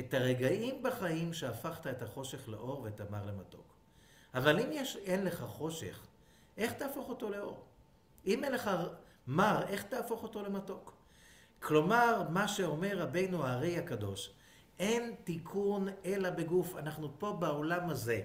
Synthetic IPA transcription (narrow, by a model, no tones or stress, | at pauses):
etaʁeɡaʔimbaχaimʃeafaχt̪aetaχo̞ʃe̞χlḛʔo̞ʁvetamaʁle̞mato̞̰k | avalimjeʃenle̞χaχo̞ʃe̞̰χ | ʔe̞χt̪aːfoχo̞to̞le̞o̞̰ʁ | ʔimenleχa | maʁe̞χt̪aːfoχo̞to̞le̞mato̞k | kʰlo̞maʁmaʃe̞o̞me̞ʁːabe̞jnuaʁejakado̞ʃ | ʔentikʰune̞labe̞ɡufanaχnupo̞baolamaze̞